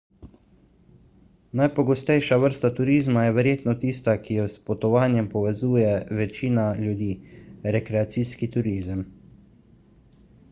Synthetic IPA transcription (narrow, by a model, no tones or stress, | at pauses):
najpɔɡɔst̪ɛjʃaʋəɾst̪at̪uɾiːzmajɛʋɛɾjeːt̪nɔt̪iːst̪akijɔspɔt̪ɔʋaːnjɛmpɔʋɛzuːjɛʋɛt͡ʃiːnaljud̪iːɾɛkɾɛat̪siːskit̪uɾiːzəm